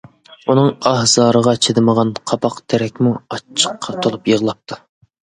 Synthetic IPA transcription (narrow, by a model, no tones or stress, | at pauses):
unɨŋɑhz̥ɑːɾəʁɑt͡ʃʰed̪ɪməʁɑnqʰɑpɑqt̪ʰɛɾɛkʲmuɑt͡ʃʰːə̥qʰːɑt̪ʰolˠupjəʁlˠɑp̚t̪ʰu̥